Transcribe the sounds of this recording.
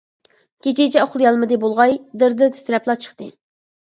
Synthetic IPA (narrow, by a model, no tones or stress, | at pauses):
kʲet͡ʃʰet͡ʃʰɛoχlˠjɑlˠmɨd̪ɨbolˠʁɑjd̪ɨɾd̪ɨt̪ʰɪ̥sɾɛplˠɑt͡ʃʰə̥χt̪ɨ